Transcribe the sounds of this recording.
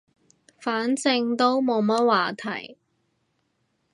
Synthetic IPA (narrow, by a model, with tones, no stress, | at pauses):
faː˨˥nt͡sɪ˧ŋt̪o˥wmo˨˧wmɐ˥t̚waː˨˩t̪ʰɐ̰˨˩j